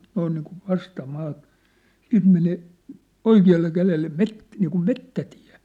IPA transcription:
noin niːkuʋ ʋɑstɑmɑːtɑ̥ siːnt meneˑ oikiɑlːe kælelːe met niːkum metːæti̥æ̥̝

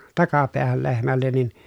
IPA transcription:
tɑkɑpeæhæl lehmælːen ni

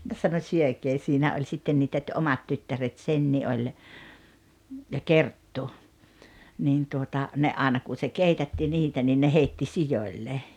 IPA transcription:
jɑ sɑno syøkeː siːnæ olʲ sitːen niːtæ t ʔomɑt tytːæret senːi olʲ jɑ kertːu niːn tuotɑ ne ʔɑːĕnɑ kun̞ se keitætːi niːtæ niː ne heitːi sijoĭlːe

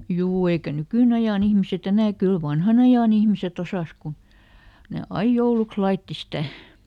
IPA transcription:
juː eikæ nykyˑnɑjɑˑn ihmiset enæ kyl ʋɑnhɑnɑjɑn ihmiset osɑˑs kun ne ɑij jouluks lɑitːi sitæˑ

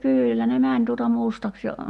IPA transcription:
kyːlːæ ne mænʲ tuotɑ mustɑks jɑ

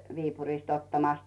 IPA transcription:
ʋiːpurist otːɑmɑˑs

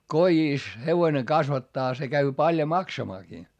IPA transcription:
kojiˑs heʋoĭne kɑsʋɑtːɑː se kæy pɑljo mɑksɑmɑːkiː

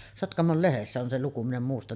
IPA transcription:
sotkɑmol lehesːæ on se luku min em muːstɑ

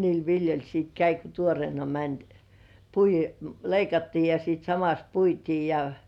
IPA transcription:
niːl ʋiljolʲ siːt kæi ko tuorĭeˑnɑ mænʲ pui leikɑtːiː jɑ siːt sɑmɑs puitiː jɑ

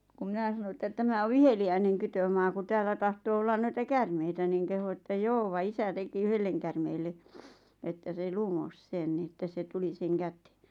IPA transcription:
kum mĭnæ sɑno etːæ tæmæ o ʋiheliæineŋ kytømɑː ku tæːlːæ tɑhtoː olːɑn noitɑ kærmeitæ niːŋ kehu etːæ joː ʋɑ isæ teki yhelːeŋ kærmeːlːe etːæ se lumos sen ni etːæ se tuli seŋ kæte̥ː

